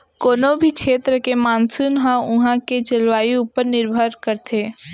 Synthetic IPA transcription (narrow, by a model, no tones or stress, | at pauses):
koːnobʱikʃʰeːt̪ɾəkemaːnsunɦãʊɦãked͡ʒɐlʋaːiuːpəɾnɪɾbʱəɾkəɾt̪ʰeː